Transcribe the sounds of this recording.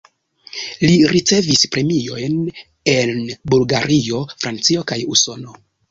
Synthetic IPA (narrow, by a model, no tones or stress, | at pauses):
liɾit͡se̞vispɾe̞mio̞jn | e̞nbulɡaɾʔio̞fɾant͡sio̞kajuso̞no̞